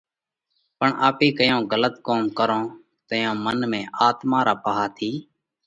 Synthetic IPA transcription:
pəɳʔaːpeːkəjõːɣələt̪koːmkəɾõː | t̪əjõːmənmẽːʔaːt̪mãːɾaːpəɦaːt̪ʰiː

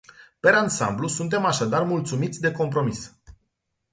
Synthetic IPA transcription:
pe̞ɾansa̰mblusunt̪̬e̞maʃad̪armult̪sumit̪sʲd̪e̞ko̞mpɾo̞mis

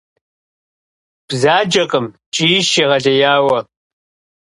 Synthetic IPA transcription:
b̥zaːd͡ʒɐqʼəm | t͡ʃʼiːɪʃeʁɐɮɐjaːwɐ

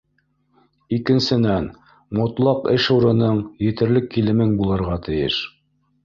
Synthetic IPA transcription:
ikɘ̆nsɘ̆næn | mŏt̪lˠɑqɘʃuɾɤ̆nɤɴjɘ̆t̪ɘ̆ɾlɘkːilɘ̆mɘŋbulˠɤ̆ɾʁɑt̪ʰɘ̆jɘ̰ʃ

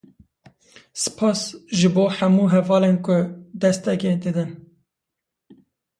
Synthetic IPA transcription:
sɨ̥pʰɑːsʒɨboːħæmuːɦɛvɑːleːnkʊd̪ɛst̪ɛkʲed̪ɨd̪ɨn

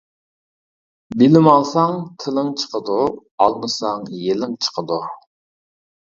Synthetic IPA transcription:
bɪlɪmɑlˠsɑŋt̪ʰɪlɪŋt͡ʃʰə̥qʰəd̪u | ɑlˠmɨsɑŋjelɪŋt͡ʃʰə̥qʰəd̪u

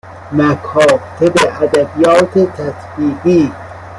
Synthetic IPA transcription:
mækʰɒːt̪ʰebeæd̪æbijɒːt̪ʰet̪ʰæsbiːbiː

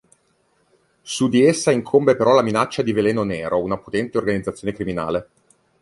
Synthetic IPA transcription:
sud̪iesːaiŋkʰombepeɾɔlaminat͡ʃːad̪ivelɛːnonɛːɾounapot̪ɛnt̪eorɡanid̪zat̪sːjoːnekɾimina̰ːle

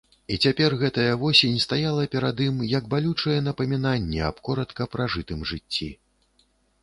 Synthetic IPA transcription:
it͡sʲapʲɛrɣɛt̪ɐjɐvɔsʲenʲst̪ajalˠɐpʲɛɾad̪imjɐɡbalʲut͡ʂɐjɛn̪ɐpɐmʲinanʲːɛɐ̰pkɔɾɐt̪kɐpɾaʐɨt̪ɨmʐɨt͡sʲːi

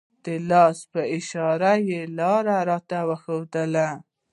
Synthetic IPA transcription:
d̪̥əlɑspəɪʃɑɾajelɑɾaɾɑt̪awəxowd̪əla

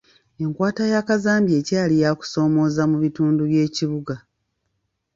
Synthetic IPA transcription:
e̞ŋkwaːtajakazaːmbje̞ːcaːlijaku̥so̞ːmo̞ːzamuβituːnduβje̞ːciβuɡa

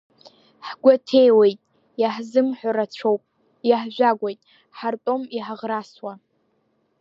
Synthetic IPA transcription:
ħɡʷatʰe̞jwejtʼ | jaħzɨmħʷaɾat͡ɕʷʰowpʼ | jaħʒᶣʷaɡʷejtʼ | ħartʼomiħaʁraswa

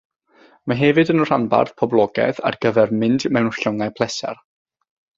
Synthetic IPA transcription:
maɦɛvɨdənr̥anba̰rθpʰɔblˠɔɡɛ̰θa̰rɡ̥əvɛrmɪndmɛnʊ̥ɬɔŋajpʰlˠɛsɛ̰r

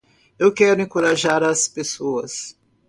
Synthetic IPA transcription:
ewkɛɾʊẽŋkoɾaʒaɾɐspesoɐs

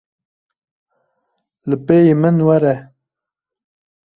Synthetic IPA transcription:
ləpejimənwaɾɛ

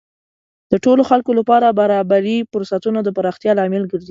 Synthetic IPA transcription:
d̪̥əʈoloxalkolapɑɾabaɾɑbaɾifʊɾsat̪unad̪əpaɾɑxt̪jɑlɑmɪlɡəɾzi

